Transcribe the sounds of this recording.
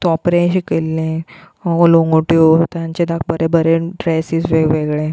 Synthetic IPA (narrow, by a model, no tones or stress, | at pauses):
t̪ɔpɾẽɕikelːẽ | oloŋɡoʈjot̪jãɲt͡ɕed̪ak̚ʰbəɾʔẽbəɾeɖɾɛsisʋeɡʋeɡɭẽ